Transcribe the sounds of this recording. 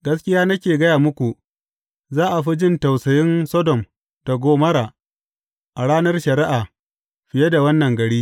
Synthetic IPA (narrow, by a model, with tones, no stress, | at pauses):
ɡɐ˦skʲɪ˦jaː˦nɐ˦kʲeː˨ɡɐ˦jaː˨mʊ˦kʷu˨ | zaː˦ʔa˨ɸi˦d͡ʒɪ˦nta˨wsɐ˨jɪ˦nsɔ˦dɔ˨m | ta˨ɡʷoː˦mɐ˦ɾaː˨ | ʔa˨ɽaː˦nɐ˦rʃɐ˨ɾɪ˦ʔaː˨ | ɸɪ˨je˦da˨wɐ˦nːɐ˨ŋɡɐ˨ɽiː˦